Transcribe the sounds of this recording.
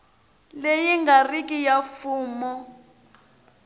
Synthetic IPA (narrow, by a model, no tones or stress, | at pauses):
lejiŋɡarikʼijafuːmɔ